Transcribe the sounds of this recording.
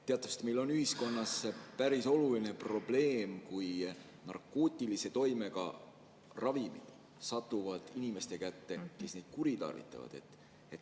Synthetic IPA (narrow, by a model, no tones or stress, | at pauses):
t̪eɑt̪ːˑɑvse̥t̪mejlːo̞nyhisko̞nːɑspæɾiso̞luline̞pro̞b̥le̞ːmkuj | nɑ̰rkːˑoːt̪ʲːˑilise̞t̪o̞jme̞ɡɑ̰ | rɑvimḭd̪̥ | sɑt̪ːˑuvɑd̪̥inime̞st̪e̞kæt̪ːe̞ke̞sned̪̥̚kuɾit̪ɑ̰rvḭt̪ˑːɑ̰vɑ̰d̪̥e̞̰t̪ː | et̪ː